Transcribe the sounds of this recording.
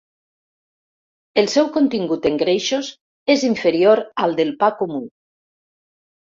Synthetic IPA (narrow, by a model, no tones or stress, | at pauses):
elˠsɛwkont̪iŋɡut̪eŋɡɾejʃoz | eziɱfeɾioɾalˠd̪elpakomu